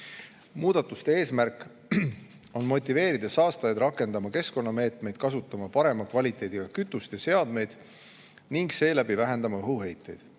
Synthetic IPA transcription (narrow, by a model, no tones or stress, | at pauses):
muːd̪̥ɑt̪ːˑust̪ee̞ːsmærkːˑ | o̞nmo̞t̪ʲːˑive̞ːɾid̪̥ɑsɑːst̪ɑjɑd̪ɾɑkːˑe̞nd̪̥ɑmɑke̞sko̞nːɑme̞ːt̪me̞jd̪̥̚kɑsut̪ːˑɑmɑpɑɾe̞mɑkvɑlʲit̪ːˑe̞ːd̪̥ʲiɡ̥ɑkyt̪ːˑust̪ese̞ɑd̪me̞jd̪̥ | niŋɡ̥se̞ːlæb̥ivæɦe̞nd̪̥ɑmɑɦuɦe̞jt̪ːˑe̞̰jd̪̥